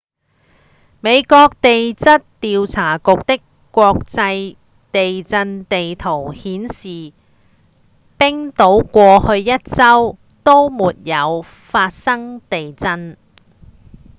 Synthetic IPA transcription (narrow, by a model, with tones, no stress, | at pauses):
me˨˧jkɔː˧k̚t̪e˨jt͡sɐ˥t̚t̪iː˨wt͡sʰaː˨˩kʊ˨k̚t̪ɪ˥kːʷ | ɔː˧k̚t͡sɐ˧j | t̪e˨jt͡sɐ˧nt̪e˨jt̪ʰo˨˩whiː˨˥nsiː˨˩ | pɪ˥ŋt̪o˨˥wkʷɔː˧hɵ˧ɥjɐ˥t̚t͡sɐ˥w | t̪o˥wmuː˨t̚jɐ˨˧w | faː˧t̚sɐ˥ŋt̪e˨jt͡sɐ˧n